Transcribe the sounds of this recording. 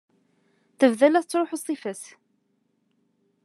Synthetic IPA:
θəvðælæθət͡sːɾˤoħosˤifəs

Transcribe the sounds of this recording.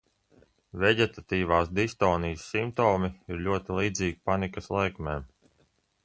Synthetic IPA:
veɟɛt̪at̪iːʋaːsd̪ist̪ɔːnijsːimt̪ɔːmiiɾlʲuɔt̪ilˠiːd̪ziːɡipanikɐslˠajkmʲɛːm

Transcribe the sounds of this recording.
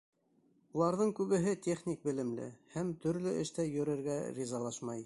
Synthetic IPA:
ulˠɑɾðɤɴkʉβɘ̆ɦɘt̪ʲeχnʲik̚bɘ̆lɘ̆mlɘ̰hæmt̪ɵ̆ɾlɵʔɘ̆ʃt̪æjɵ̆ɾɘ̆ɾɡæɾʲizɑlˠɑʃmɑj

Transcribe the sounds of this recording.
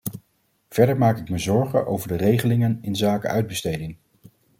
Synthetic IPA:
v̥ɛɹdəɹmaːkɪkməzɔɹχə̰ʔo̰wvəɹdərejχəlɪŋənɪnzaːkə̰ʔœɥd̚bəstejdɪŋ

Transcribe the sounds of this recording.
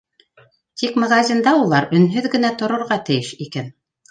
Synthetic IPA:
t̪ikmaɣazʲind̪ɑulˠɑɾɵ̆nɦɵðɡɘ̆næt̪ŏɾŏɾʁɑt̪ɘ̆jɘʃikæn

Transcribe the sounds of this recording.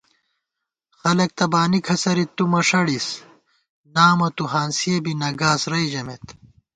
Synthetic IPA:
xɐlɐk̚t̪ɐbaːnikʰɐsɐɾit̪ːumɐʂɐɽis | naːmɐt̪uɦaːnsiɐbinɐɡaːsɾɐid͡ʑɐmet̪

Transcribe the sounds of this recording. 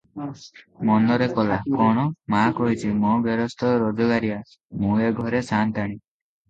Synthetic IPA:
mɔnɔɾekɔlakɔɽ̃ɔmakɔɦit͡ʃʰimɔbjɔɾɔst̪ʰɔɾɔd͡ʒɔɡaɾia | mũeɡʱɔɾesant̪aɽ̃i

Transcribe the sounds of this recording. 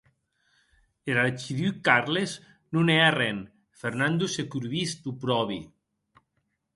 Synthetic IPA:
eɾaɾt͡ʃiðykaɾlez | nunɛarɛn | feɾnand̪osekuɾβist̪upɾɔβi

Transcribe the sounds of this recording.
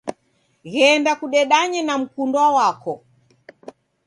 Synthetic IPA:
ɣɛndakuɗɛɗaɲɛnam̩kundwawakɔ

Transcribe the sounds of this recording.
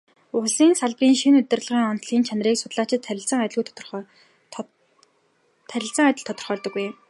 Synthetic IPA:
ʊɮiːnsaɮpriːŋʃinɵt̪ɘ̆rɮʁiːŋɔnt̪ɮiːnt͡ɕʰan̆riːksʊ̥t̪ɮaːt͡ɕɪ̆t̪ʰːʲɪ̆ɮsə̆ŋt̪ʲɪɮɣujt̪ʰt̪r | t̪ʰæɾʲɪ̆ɬt͡sə̆ŋat̪ʲɪ̆ɮt̪ʰɔ̥t̪ɞrχœːɮt̪ɞ̆kːuj

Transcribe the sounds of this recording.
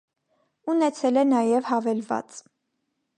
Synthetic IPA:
unɛt͡sʰɛlɛnɑjɛvhɑvɛlvɑ̰t͡s

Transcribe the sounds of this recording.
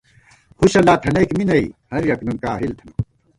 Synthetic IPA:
huɕɐlaːt̪ʰɐnɐːkminɐḭhɐɾjɐknunkaːɦilt̪ʰɐnu

